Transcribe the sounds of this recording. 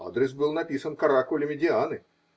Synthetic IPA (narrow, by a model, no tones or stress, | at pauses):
a̰d̪ɾʲɪsbɨlˠnɐpʲisənkɐɾakʊlʲɪmʲɪdʲɪanɨ